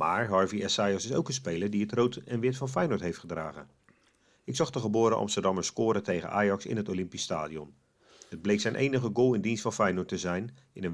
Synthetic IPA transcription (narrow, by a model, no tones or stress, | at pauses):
maːɹɦɑɹviɛsajɔsɪso̰wkənspejləɹdiətrowtʰɛnʋɪtfɑnfɛjnʊɹtɦejftχədra̰ːɣə̰ | ɪksɑχdəχəbʊːɾəʔɑ̰mstəɹdɑməskʊːɾətejɣə̰nʔaːjɑksɪ̰nɦətolɪmpista̰ːdiɔ̰n | əd̚blejksɛjnʔḛjnəχəɡoːlˠɪndinstfɑnfɛjnʊtəzɛjn | ɪnən